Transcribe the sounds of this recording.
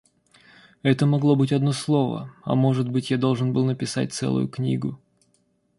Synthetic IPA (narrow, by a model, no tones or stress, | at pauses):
ɛt̪əmɐɡlˠo̞bɨtʲɐd̪no̞slˠo̞və̰ɐ̰mo̞ʐɨt̪̚bɨtʲjad̪o̞lˠʐɨnbɨlˠnəpʲɪsa̰t̚ʲt̪sɛ̰lˠʊ̰jʊknʲiɡʊ